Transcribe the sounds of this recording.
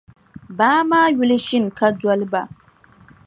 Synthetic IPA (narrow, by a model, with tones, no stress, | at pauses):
baː˦maː˦ju˦lɨ˦ʃɪ˦n˨ka˦dɔ˦lɨ˦ba˨